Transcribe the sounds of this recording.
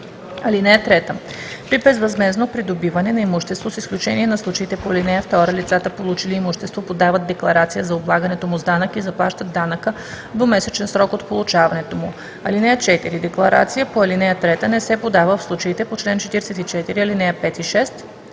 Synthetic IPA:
ɐlinɛjət̪ɾɛt̪ə | pɾibɛzvɐzmɛznopɾid̪obivɐnɛnɐimuʃt̪ɛst̪vosisklʲut͡ʃɛniɛnɐslˠut͡ʃəit̪ɛpoɐlinɛjəft̪ɔɾəlit̪sat̪əpolˠut͡ʃiliimuʃt̪ɛst̪vopod̪avəd̪̚d̪ɛklˠɐɾat̪sijəzɐoblˠaɡənɛt̪omuzd̪anəkizɐplˠaʃt̪əd̪d̪anəkə | d̪omɛsɛt͡ʃɛnsɾɔkot̪polˠut͡ʃavɐnɛt̪omu | ɐlinɛjət͡ʃɛt̪iɾid̪ɛklˠɐɾa̰t̪sijəpoɐlinɛjət̪ɾɛt̪ənɛsɛpod̪avəfslˠut͡ʃəit̪ɛpot͡ʃlɛnt͡ʃɛt̪iɾɛsɛt̪it͡ʃɛt̪iɾiɐlinɛjəpɛt̪iʃɛst̪

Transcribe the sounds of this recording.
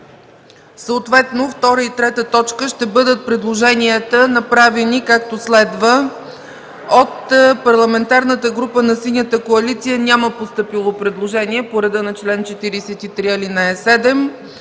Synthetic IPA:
səot̪vɛt̪noft̪ɔɾəit̪ɾɛt̪ət̪ɔt͡ʃkəʃt̪ɛbɤd̪ət̪̚pɾɛd̪lˠoʒɛniət̪ənɐpɾavɛnikak̚t̪oslɛd̪və | ot̪pɐɾlˠɐmɛnt̪aɾnət̪əɡɾupənɐsinʲjət̪əkoɐlit̪sijənʲaməpost̪ɤpilˠopɾɛd̪lˠoʒɛniɛpoɾɛd̪ənɐt͡ʃlɛnt͡ʃɛt̪iɾisɛt̪it̪ɾiɐlinaɛsɛd̪ɛm

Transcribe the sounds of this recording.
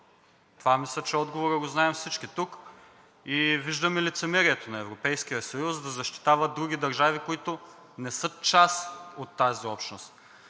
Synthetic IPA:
t̪ovamislʲət͡ʃɛɔd̪ɡovoɾəɡoznaɛmfsit͡ʃkit̪uk | iviʒd̪ɐmilit̪sɛmɛɾiɛt̪onɐɛvɾopɛjsk̟ijəsɐjusd̪ɐzɐʃt̪i̥t̪avɐd̪ɾuɡ̟id̪ɐɾʒavikoit̪o | nɛsɤt͡ʃasot̪ːaziɔpʃnost̪

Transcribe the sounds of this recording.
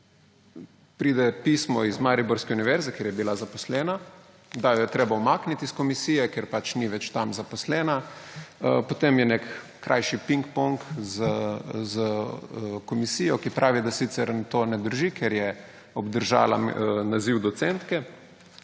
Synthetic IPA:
pɾiːd̪ɛpiːsmɔizmaɾibɔɾskɛuniʋɛɾzɛkeɾjɛbilazaposlɛːna | d̪ajɔjɛt̪ɾeːbawmaːknit̪iskomisiːjɛkeɾpat͡ʃniʋɛt͡ʃt̪amzapɔslɛːnaəpot̪emjɛnɛkː | ɾʔa̰jʃipiŋkpɔŋkzəzə | komisiːjɔkipɾʔaːʋid̪asit̪sɛɾt̪oːnɛd̪əɾʒikʰɛɾjɛ | ɔbd̪əɾʒa̰ːlanaziwd̪ɔt̪sɛnt̪kɛ

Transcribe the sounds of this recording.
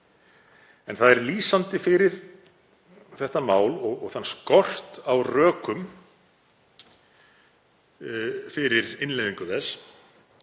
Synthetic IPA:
ɛnθaðɛɾliːsant̪ɪfɪɾɪɾ | θɛht̪amaːwlɔɣɔɣθanːskɔr̥t̪awrœːkʏm | fɪɾɪɾɪnlejðiŋkʏθɛs

